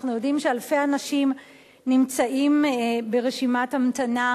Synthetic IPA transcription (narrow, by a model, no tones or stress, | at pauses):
χnujo̞dimʃealfejanaʃim | nimt͡saʔimbe̞ʁeʃimathamtana